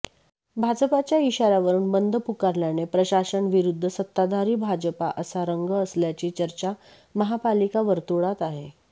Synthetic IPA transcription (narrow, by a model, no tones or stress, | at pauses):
bʱad͡zəpat͡ɕjaiɕaɾaʋəɾuːnbənd̪ʱəpukaɾljanepɾəɕaɕəɳʋiɾud̪ʱːəsət̪ːad̪ʱaɾiːbʱad͡ʑəpaʔəsaɾəŋɡəːsljat͡ɕiːt͡ɕəɾt͡ɕa | məɦapalikaʋəɾt̪uɽat̪aɦe